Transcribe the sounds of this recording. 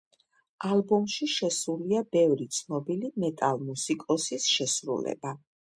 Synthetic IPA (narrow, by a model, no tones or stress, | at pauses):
alˠbɔmʃiʃɛsuliabɛvɾit̪sʰnɔbilimɛt̪ʼalˠmusikʼɔsisʃɛsɾṵlɛ̰ba